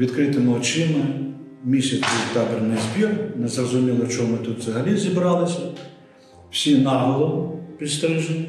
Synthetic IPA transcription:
ʋʲid̪kɾɪt̪ɪmɔt͡ʃɪmɐ | mʲisʲɐt͡sʲit̪ɑbɾnɪzʲbʲirnɛzrɔzʊmʲilˠɔt͡ʃɔɔmɪt̪ut̪zɐɦɐlʲizʲibɾɑlˠɪsʲɐ | wsʲinɑɦɔlˠɔʊpʲist̪ɾɪʒɪ

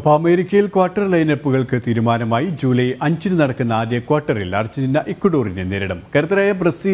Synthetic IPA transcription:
ɐpoɐmeːɾikʲːɐjilkwaːʈːɐrlɐjnɐpːuɣɐɭkɨt̪iːɾumaːnɐmaːjid͡ʑuːlɐjʔɐɲd͡ʑinɨnɐɽɐkːunːɐaːdjɐkwaːʈːɐrilɐrt͡ɕːininːɐʔekːwɐɽoːrineneːɾɐɽɐmkɐɾɐt̪ːɐɾaːjɐbrɐsiː

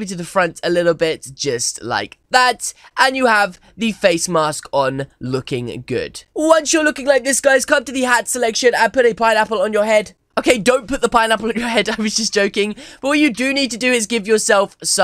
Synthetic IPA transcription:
miɾɨðɨfɹʌ̃ntʰəlɪɾl̩ˠbɪt̚d̥ʒ̥ʌstla̰ɪk̚ðætʔə̃njɨəv | ðɨfeɪsmɑskn̩lʊkɪ̃ŋɡʊ̰d̥wwʌ̃nsjə˞lʊkɪ̃ŋlaɪk̚ðɪsɡ̥aɪz̥kʰʌ̃mtɨðɨɦætsəlɛkʃɨ̃nə̃npʊɾɨpʰãɪ̃næpl̩ˠə̃njə˞ɦɛd̥ | ʔoʊkʰeɪdõʊ̃npʊt̪̚ðəpãɪ̃næpl̩ˠə̃njə˞hɛdaɪwʌzd͡ʒʌs̬d̥ʒ̥oʊkɪ̃ŋb̥ʌt̚wəjɨdɨnid̚tɨdɨɪzɡɪvjə˞sɛlˠfsʌ̃

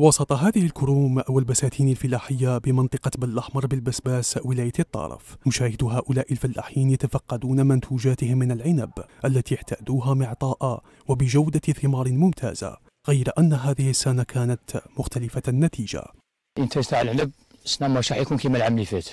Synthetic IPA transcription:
wɑsˤɑt̪ˤɑɦaːðɪhɪlkʊɾuːmaʔwalbasaːt̪ʰiːnalfɪlaːħɪjːabɪmɑnt̪ˤɨqɑbalʔaħmɑɾˤbɪlbasbaːswɪlaːjat̪ˤːɑ̰ɾˤɑ̰fmʊʃaːhɪd̪ɦaːʔʊlaːʔɪlfɪlːa̰ːħiːnjat̪afɑqːɑd̪uːnamant̪ʰuːʒaːt̪ɪhɪmːɪnalʕɪnabʔalːat̪iːjaħt̪ʰaːd̪uːɦamɪʕt̪ˤɑːʔa | wabɪʒawd̪aθɪmɑːɾˤmʊmt̪ʰa̰ːz̥a̰ | ɣajɾaʔanːaɦaːðɪhɪsːanakʰaːnat̪mʊxt̪ʰalɪfanːat̪ʰiːʒa̰ | ʔənt̪æst̪aʕlʕnəb̚ | snamɑʃˤɑħjkunkimælʕamlifet̪

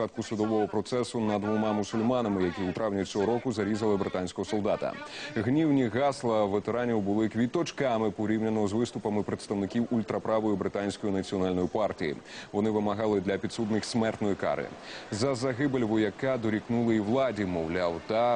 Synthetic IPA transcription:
at̪̚kʊsʊd̪ɔʋɔɦɔpɾɔt̪sɛsʊnɐd̪ʋɔmɑmʊsʊlʲmɑnɐmɪjɐkʲiut̪ɾawnʲɐt͡sʲɔɦɔɾɔkʊzɐɾʲizɐlˠɪbɾɪt̪anʲsʲkɔɦɔsɔlˠd̪at̪ɐ̰ɣnʲiwnʲiɣɑslˠɐʋet̪eɾanʲiwbʊlˠɪkʋʲit̪ɔt͡ʃkɑmɪpɔɾʲiwnʲɐnɔɦɔzʋɪst̪ʊpɐmɪpɾet̪st̪ɐwnɪkʲiwulʲt̪ɾɐpɾaʋɔjʊbɾɪt̪anʲsʲkɔjinɐt͡sʲiɔnalʲnɔjʊpartʲijḭʋɔnɪʋɪmɐɦɑlˠɪd̪lʲɐpʲit̪sud̪nɪxʲsʲmɛrt̪nɔjika̰ɾɪ̰zɐzɐɦɪbelʲʋɔjɐkad̪ɔɾʲiknulˠɐiwlˠɑdʲimɔwlʲawt̪a

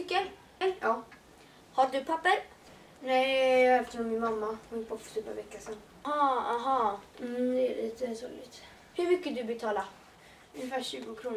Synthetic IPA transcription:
kːə | ɑː | haɖɵpʰapːəɾ | nɛɪɑɛft̪ənɔmɪnmamːahʊnpʰɔpːɔ̥t̪ʰyːpːa̰vɛkːasɛn | ɑːaɦɑːm̩d̪ɛæ̰lḭːt̪əsṵːlɪ̰t̪ | hɵɾmʏkːəd̪ɵbɛt̪ʰɑːlaɾ | ɵnɪfæːɕʉ̟ːɡʊkʰɾuːn

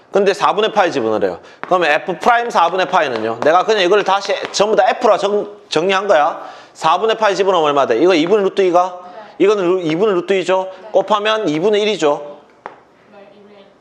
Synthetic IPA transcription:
kɯnde̞sʰabune̞pʰaid͡ʑibunɯɾe̞̰jo̰ | kɯɾʌmjʌnepʰɯpʰɯɾaimsʰabune̞pʰainɯɲone̞ɡakɯɲaiɡʌɾɯɭtaɕʰit͡ɕʌmbudaepʰɯɾt͡ɕʌt͡ɕʌŋɲiɦanɡʌja | sʰabune̞pʰaid͡ʑibunamʌɭmadeiɡʌibuneɾut͈uiɡaiɡʌnɯnibunɯɭɾut͈uid͡ʑok͈opʰamjʌnibuneiɾid͡ʑo

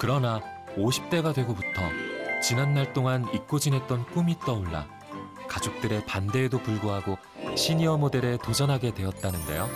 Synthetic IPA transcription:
kɯɾʌna | oɕʰi̥p̚t͈e̞ɡadwe̞ɡobutʰʌ̰t͡ɕinanmaɭt͈oŋanik͈od͡ʑinɦe̞t̚t͈ʌnk͈umit͈ʌuɭːa̰ | kad͡ʑok̚t͈ɯɾe̞pande̞ːdopuɭɡoɦaɡo | ɕʰiɲiʌmode̞ɾetod͡ʑʌnɦaɡe̞dwe̞ʌt̚t͈anɯnde̞̰jo

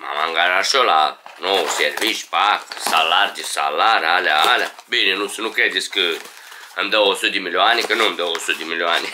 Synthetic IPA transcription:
ma̰maŋɡaɾaʃolanoseɾviʃpaksalːaɾd͡ʒisa̰lːaɾalaalʲabininusɨnukɛd̪iskɨ | ɛmd̪ɛosod̪imilʲoanikənomd̪ɛosod̪imilʲoani

